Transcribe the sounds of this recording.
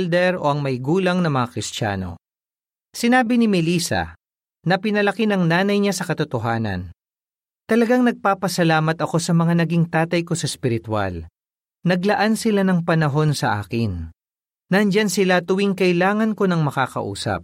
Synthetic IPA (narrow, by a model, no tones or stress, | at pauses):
ld̪ɛɾo̞ʔɐŋmɐjɡuːlɐŋnɐmɐŋakɾɪst̪a̰ːno̞̰ | sɪnaːbɪnɪmɪliːsɐ̰ | nɐpɪnɐlɐkinɐŋnaːnɐjɲasɐkɐt̪ʊt̪oɦaːnɐ̰n | t̪ɐlɐɡaŋnɐɡ̚paːpɐsɐlaːmɐt̪ɐko̞sɐmɐŋanɐɡiŋt̪aːt̪ɐjko̞sɐspɪɾɪt̪wa̰l | nɐɡlɐʔansɪlanɐŋpɐnɐɦo̞nsɐʔa̰ːkɪnː | ɐnd͡ʒansɪlat̪ʊwiŋkɐʔɪlaːŋɐnko̞nɐŋmɐkaːkɐ̰ʔṵːsɐ̰p̚